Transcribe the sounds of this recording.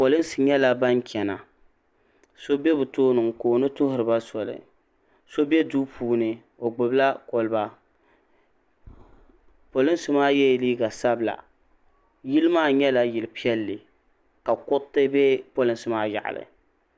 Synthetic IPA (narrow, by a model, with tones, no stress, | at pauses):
po˨lɨ˦n˦sɨ˨ɲɛ˦la˦ba˦ŋkʲɛ˨na̰˨ | so˦bɛ˦bɨ˨toː˦nɨ˨ŋkoː˨nɨ˦tʊ˦ɦʊ˨ɾɨ˨ba˦sɔ˨lɨ̰˨ | so˦bɛ˦duː˦pʰuː˨˦nɨ˨ | o˨ɡ͡bʊ˨bla˦ko˨lɨ˦ba˦ | po˨lɨ˦n˦sɨ˨maː˦jɛ˦˨liː˦ɡa˨sa˦bɨ˨la̰˨ | ji˦lɨ˦maː˦ɲɛ˦la˨jɪ˨lɨ˨pi˦ɛ˦lːɨ˨ | ka˨kʊ˦ttːɨ˦bɛ˦po˦lɨ˦n˦sɨ˦maː˦ja̰˨ʔa̰˨lɨ̰˨